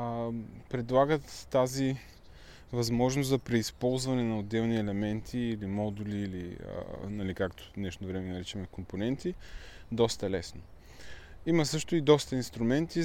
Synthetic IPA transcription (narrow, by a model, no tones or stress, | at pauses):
pɾɛd̪lˠaɡət̪ːazi | vɐzmɔʒnoszɐpɾɛispɔlˠzvɐnɛnɐod̪ːɛlˠniɛlɛmɛnt̪ʰiːlimɔd̪uliːliə̰nɐlikakt̪o̥nɛʃnovɾɛmɛnɐɾit͡ʃəmɛkomponɛnt̪id̪ɔst̪ɐlɛsno | imɐsɤʃt̪oid̪ɔst̪əinst̪ɾumɛnt̪i